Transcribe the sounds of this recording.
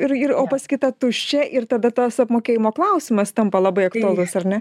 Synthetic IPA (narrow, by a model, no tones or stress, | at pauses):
ɪɾɪɾoːpɐsʲkʲɪt̪ɐt̪ʊʃʲt͡ʃʲɛʔɪɾt̪ɐd̪ɐt̪ɐsɐpmoːkʲeːjɪmoːklˠɐʊsʲɪmɐst̪ɐmpɐlˠɑbɐɪɐkt̪uɐlˠʊsɐrnʲɛ